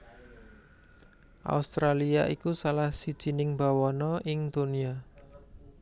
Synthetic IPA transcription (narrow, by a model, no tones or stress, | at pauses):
ʔa̰ust̪ɾaliaʔikusalahsid̥ʒ̥i̤nɪŋbawɔnɔʔɪŋd̪̥onia